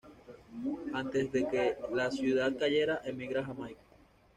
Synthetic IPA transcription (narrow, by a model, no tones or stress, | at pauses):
ant̪ezðe̞kelasjuðað̚kaʝe̞ɾaʔemiɣɾaɦamajko̥